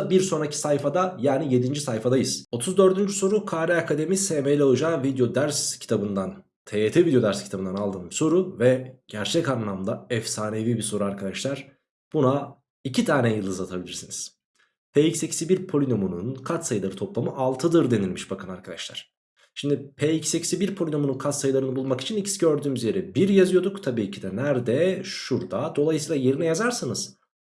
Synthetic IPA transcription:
biɾso̞nɾacʰi̥sajfad̪ajaːnije̞d̪ind͡ʒisajfad̪ajɯz̥o̞t̪ʰuzd̪ø̞ɾd̪ynd͡ʒyso̞ɾukʰaːɾɛakʰad̪e̞misemejlʲɛolˠud͡ʒaːvid̪jo̞d̪æɾscʰi̥t̪ʰabɯnd̪an | t̪ʰeet̪ʰevid̪jo̞d̪æɾscʰit̪ʰabɯnanalˠd̪ɯmso̞ɾuvɛɟ̥æɾt͡ʃʰɛcanlˠamd̪aɛfsaːne̞vibiso̞ɾuaɾkʰad̪aʃlˠaɾ̥ | b̥una | icʰit̪ʰaːnɛjɯlˠɯzat̪ʰabilʲiɾsiniz̥ | pʰeicsecʰi̥sibiɾpʰo̞lʲinomunṵnkʰat̪sajɯlˠaɾɯt̪ʰo̞plˠamɯʔalˠt̪ʰɯd̪ɯɾd̪e̞nilʲmiʃbakʰanaɾkʰad̪aʃlˠa̰ɾ̥ | ʃimd̪ipʰɛicsecʰi̥sibiɾpʰo̞lʲino̞mununkʰat̪sajɯlˠaɾɯnɯbulˠmaki̥t͡ʃʰinicʰi̥siɟø̞ɾd̪yːmyzje̞ɾɛbiɾjazɯjo̞d̪ukt̪ʰabiːcʰid̪ɛnæɾd̪ɛʃuɾd̪ad̪o̞lˠajɯsiːlˠaje̞ɾinɛjazaɾsɯnɯz̥

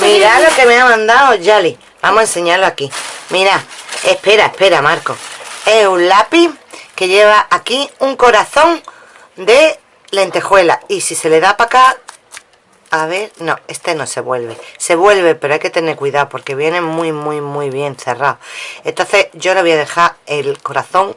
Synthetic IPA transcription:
miɾalo̞ke̞meamãnd̪aoʝali | bamoense̞ɲaɾloakimiɾaehpe̞ɾaehpe̞ɾamaɾko̞e̞unlapike̞ʎe̞βaʔːkiuŋko̞ɾaθõ̞ŋ | d̪e̞ | le̞nt̪e̞xwe̞la̰isise̞le̞ðapaka | aβ̞e̞ɾno̞e̞st̪e̞no̞se̞βwe̞lβe̞se̞βwe̞lβ̞e̞pe̞ɾoajke̞t̪e̞ne̞ɾkwiðaopo̞ɾke̞β̞je̞ne̞muimwimwiβ̞je̞nθe̞raoe̞nt̪o̞nθeʝo̞laβjaðe̞xaelko̞ɾaθo̞ŋ

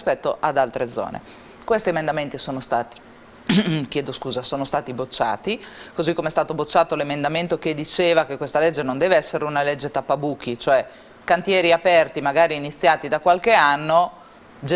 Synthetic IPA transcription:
spɛt̪ːoʔad̪alt̪ɾed̪zːɔ̰ːnḛ | kwest̪iemend̪ament̪isoːnost̪aːt̪i̥ | k̟jɛːd̪oskuːzasoːnost̪aːt̪ibot͡ʃːa̰ːt̪ikozikːomeɛst̪aːt̪obot͡ʃːaːt̪olemend̪ament̪oked̪it͡ʃeːvakekːwest̪aled͡ʒːenond̪ɛːveɛsːeɾeunaled͡ʒːet̪apːabuːk̟it͡ʃoɛ | kant̪jɛːɾiapɛrt̪imaɡaːɾiːnit̪sːjaːt̪id̪akwalkeanːo | d͡ʒ

